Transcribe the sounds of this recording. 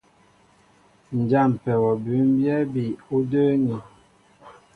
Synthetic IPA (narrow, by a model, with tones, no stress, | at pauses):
n̩˨d͡ʒa˦˨m˨pɛ˨wɔ˨bʉ˨˦m˦bjɛ˦bi˨u˦də˦ni˨